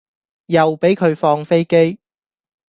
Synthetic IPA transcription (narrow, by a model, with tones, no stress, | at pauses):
jɐ˨wpe˨˥jkʰɵ˨˧ɥfɔː˧ŋfe˥jke˥j